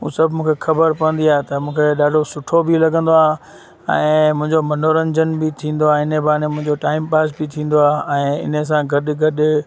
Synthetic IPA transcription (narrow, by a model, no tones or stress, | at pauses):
ɦṵ̃ːsɐbʱɪmũːkʰexɐbəɾpɐə̃nd̪iaːet̪ɐmũːkʰeɗaːɖʱosʊʈʰobɪlɐɡə̃nd̪oaː | ɛ̰̃ːmʊ̃ɦɪ̃ɲd͡ʑomɐnoːɾə̃ɲd͡ʑənbɪt̪ʰĩːn̆d̪oaːɪnəbaːɾnemʊ̃ɦɪ̃ɲd͡ʑoʈaːɪmpaːsbɪt̪ʰĩːn̆d̪oaːʔɛ̃ːɪ̰nəs̬ãɡʱɐɗɡʱɐɗ